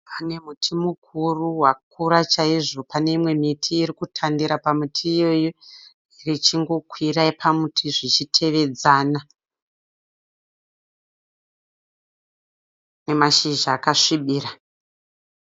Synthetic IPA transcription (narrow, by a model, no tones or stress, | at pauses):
ane̞mutʰimukʰuruɦwak̚ʰuɾat͡ʃaiʐo̞pane̞imwe̞mitʰiːɾikutʰandiɾapamitʰiːjo̞ji | rit͡ʃiŋɡo̞kwiraipʰamutʰiʐit͡ʃitʰe̞ʋe̞d͡zana | ne̞maʃiʒaːkaʂiɓiːra